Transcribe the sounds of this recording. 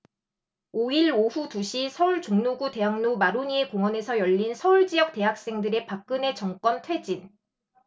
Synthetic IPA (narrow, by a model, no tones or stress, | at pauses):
oiɭoɸutuɕʰisʰʌuɭt͡ɕoŋnuɡute̞ɦaŋnomaɾuɲie̞koŋwʌne̞sʰʌjʌʎːinsʰʌuɭd͡ʑiʌk̚t͈e̞ɦak̚s͈e̞ŋdɯɾe̞pak̚k͈ɯne̞t͡ɕʌŋk͈wʌntʰwe̞d͡ʑin